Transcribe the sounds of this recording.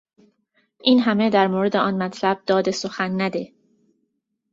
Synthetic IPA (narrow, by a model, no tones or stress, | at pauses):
ʔiːnɦæmed̪æɾmoːɾe̞d̪e̞ʔɒnmæt̪ʰlæb̥̚d̪ɒːd̪e̞soxænːæd̪e̞